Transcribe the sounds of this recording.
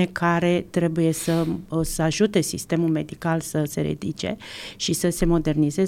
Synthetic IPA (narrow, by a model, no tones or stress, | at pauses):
ekʰaɾe̞t̪ɾe̞buje̞səsəaʒut̪e̞sḭst̪e̞mulme̞d̪ikalsəse̞̰ɾḛd̪it͡ʃe̞̰ʃisəse̞mo̞d̪e̞rnize̞